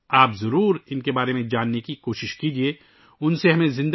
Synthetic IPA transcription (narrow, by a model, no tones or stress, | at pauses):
aːpzɐɾuːɾɪnkebaːɾemẽd͡ʒaːnːekikoːʃɪʃkiːd͡ʒieː | ʊnseɦɐmẽzɪ̃nd̪